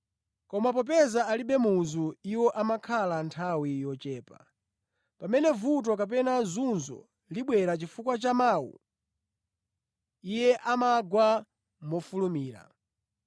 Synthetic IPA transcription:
kɔmap̬ɔpɛzaːliɓɛmuzuiwɔʔamakʰalantʰawijɔt͡ʃɛːpa | pamɛnɛvut̬ɔk̬ap̬ɛnazunzɔ̰ | liɓwɛɾat͡ʃifukwat͡ʃamaːwṵ | ijɛʔamaɡwa | mɔfulumiːɾa̰

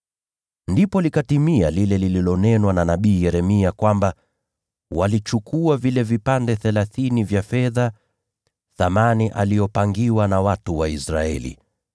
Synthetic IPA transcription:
ndipɔlikatimialilɛlililɔnɛnwananaɓiːjɛɾɛmiakwamba | walit͡ʃukʰuavilɛvipandɛθɛlaθinivjafɛða | θamaniʔalijɔpaŋɡiwanawatuwaisɾa̰ɛ̰lḭ

